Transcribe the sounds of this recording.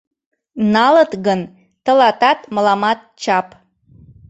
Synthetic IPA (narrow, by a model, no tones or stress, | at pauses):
nɑlət̪ɣən | t̪ə̆lɑt̪ɑt̪məlɑmɑt̪̚t͡ɕɑp